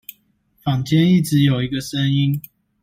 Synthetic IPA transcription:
fɑ˨ŋt͡ɕjɛ˦ni˥˨ʈ͡ʂɻ̩˨˦jo˨˩ʊi˨˦ɡə˨ʂə˦ŋi˦n

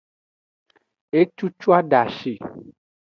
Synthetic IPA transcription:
e˦t͡ʃu˦t͡ʃu˦a˦ɖa˨ʃi˨

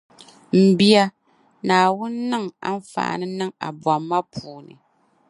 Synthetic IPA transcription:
m̩˦bi˦a˦ | naː˨wʊ˦nːɨ˦˨ŋa̰˦n̩˦fa̰ː˨nɨ˦nɨ˦ŋa̰˨bwa˨mːa˦pʰuː˨nɨ̰˨

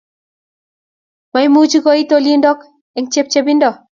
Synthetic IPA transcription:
ma˨jmu˦t͡ʃi˦ko˦i˦t̪oli˦ndɔ˦k | ɛ˨ŋt͡ʃe˦p̚t͡ʃe˦bi˦ndɔ˨

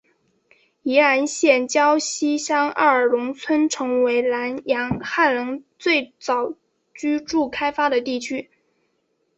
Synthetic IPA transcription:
i˧˥ɻa˧˥nɕjɛ˥˩nt͡ɕjɑ˥ʊɕi˥ɕjɑ˥ŋa̰˥˩ə˞˨˩lʊ˧˥ŋt͡sʰwə˥nʈ͡ʂʰɤ˧˥ŋwe˧˥ɪla˧˥njɑ˧˥ŋxa˥˩nlɤ˧˥ŋt͡swe˥˩ɪt͡sɑ˨˩ʊ | t͡ɕy˥ʈ͡ʂu˥˩kʰa˥ɪfa˥d̪ə˨t̪i˥˩t͡ɕʰy˥

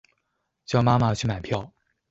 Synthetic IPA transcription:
t͡ɕjɑ˥˩ʊma˥ma˨t͡ɕʰy˥˩ma˨˩ɪpʰjɑ˥˩ʊ

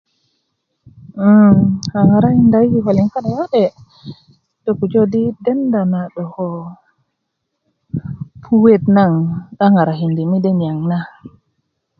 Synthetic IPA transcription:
ha˨ŋa˨ɾa˦hi˨nda˨ji˧˨ɦɔ˨li˨ŋfa˦ɗa˨wa˦ɗɛ˨ | dɔ˨ku˨d͡ʒɔ˦di˦dɛ˦nda˨na˨ɗɔ˨hɔ˧ | pʰu˧we˦˨t̪̚na˦˨ŋɗa˦ŋa˨ɾa˨ɦi˨ndi˨mi˦dɛ˦nja˨ŋna˦

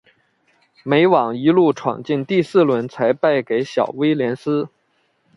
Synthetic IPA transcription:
me˧˥ɪwɑ˨˩ŋi˧˥lu˥˩ʈ͡ʂʰwɑ̰˨˩ŋt͡ɕi˥˧nt̪i˥˧sɹ̩˥˩lwə˧˥nt͡sʰa˧˥ɪpa˥˩ɪke˧˥ɪɕjɑ˨˩ʊwe˥ɪljɛ˧˥nsɹ̩˥

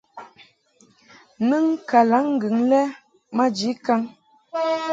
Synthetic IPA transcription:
nɨ˦ŋka˨la˨˦ŋ̩˦ɡɨ˨ŋlɛ˦ | ma˦d͡ʒi˨˦ka˦ŋ

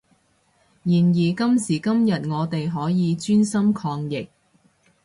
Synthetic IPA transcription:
jiː˨˩njiː˨˩kɐ˥msiː˨˩kɐ˥mjɐ˨t̚ŋɔː˨˧t̪e˨jɦɔː˨˥jiː˨˧t͡ʃyː˥nsɐ˥mkʰɔː˧ŋjɪ˨˩k̚

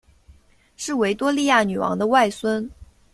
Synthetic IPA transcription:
ʂɻ̩˥˩we˧˥ɪt̪wɔ˥li˥˧ja˥˩ny˨˩wɑ̰˧˥ŋd̪ə˧wa˥˩ɪswə˥n

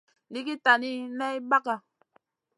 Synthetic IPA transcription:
li˦ki˦ta˨ni˦nɛ˦i˦ba˦ka˨

